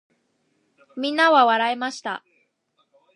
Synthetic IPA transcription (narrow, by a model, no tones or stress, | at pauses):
mʲĩnːaβaβaɾaemaɕi̥t̪a̰